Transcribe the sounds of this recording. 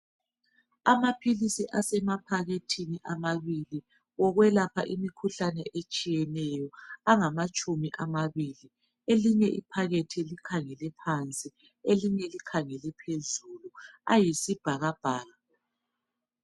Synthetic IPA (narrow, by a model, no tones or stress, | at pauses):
amapʰilisiʔasɛmapʰaɣetʰiniʔamaβili | ɣɔɣwɛlapʰa̰ʔimikʰuɬanɛʔet͡ʃʼijɛnɛjɔaŋamat͡ʃʼumiʔamaβili | eliɲɛʔipʰaɣetʰilikʰaŋɛlɛpʰant͡sʼi | eliɲɛlikʰaŋɛlɛpʰezulua̰jisib̥ʱaɣab̥ʱaːɣa